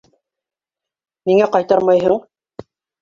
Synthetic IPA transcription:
niŋæqɑjt̪ɑɾmɑjɦɤɴ

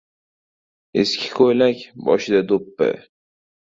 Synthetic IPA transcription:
eskʲʰɪ̥kʰojlakʲbɒ̰ʃɪd̪ad̪opːɪ̰

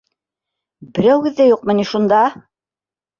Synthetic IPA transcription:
bɘ̆ɾæwɡɘ̆ðːæjuq̚mɤ̆niʃund̪ɑ

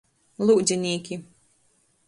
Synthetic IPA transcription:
lˠuːd̪zʲinʲiːkʲi

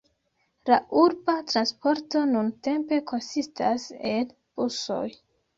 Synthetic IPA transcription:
laʔuɾbatɾanspo̞ɾto̞nunte̞mpe̞ko̞nsistʰa̰se̞l | b̥uso̞̰j

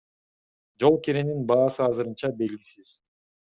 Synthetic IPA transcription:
d͡ʒo̞lˠkeɾeninbɑːsɯɑzɯɾɯnt͡ʃɑbe̞lɡʲisiz̥

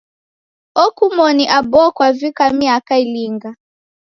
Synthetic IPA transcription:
ɔkumɔniʔabɔkwavikamiakailiŋɡa

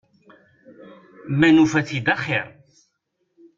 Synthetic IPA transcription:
mænufæθid̪ɑχɪɾˤ

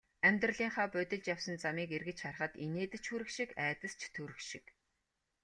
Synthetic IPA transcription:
æmʲt̪rə̆ɮiːŋχaːpœt̪ʲɪ̆ɮt͡ɕjawsə̆nt͡samiːkerɣɘ̆t͡ɕχar̆χə̆t̪ineːt̪ɘ̆t͡ɕxuɾɘ̆kʃikæːt̪ə̆st͡ɕʰt̪ʰɵɾɘ̆kʃɪ̥̰̆k

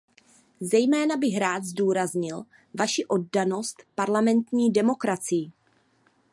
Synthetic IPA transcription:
zɛjmɛːnabɪɣɾaːt̪zduːɾazɲɪl | vaʃiʔo̞d̚dano̞st̪paɾlamɛnt̪ɲiːdɛmo̞kɾat͡sɪjː

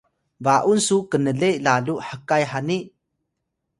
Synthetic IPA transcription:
vaʔunsukənəlejlaluʔħəkajħani

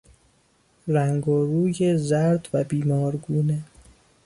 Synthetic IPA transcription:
ɾæŋɡoɾuːjezæɾd̪væbiːmɒːɾɡuːne

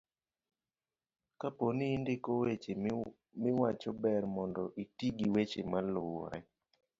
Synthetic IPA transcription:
kaponiːndɪkowet͡ʃe | mɪwat͡ʃɔbɛɾmɔndɔʔitiɡiwet͡ʃemaloa̰j

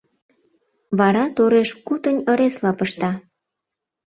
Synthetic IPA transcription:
βɑɾɑt̪oɾeʃkut̪ənʲə̆ɾeslɑpəʃt̪ɑ

